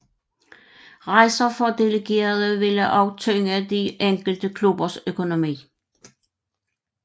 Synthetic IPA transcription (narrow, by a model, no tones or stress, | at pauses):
ʁɑ̈ɪsɐfɒ̽d̥e̝ləɡ̥e̝̰ːɐð̞ˠəʋe̝ləʔɑ̈ʊt͡sʰøːŋæd̥iʔeŋ̰ɡ̥l̩d̥əkʰlub̥ɐsøkʰo̝no̝mḭː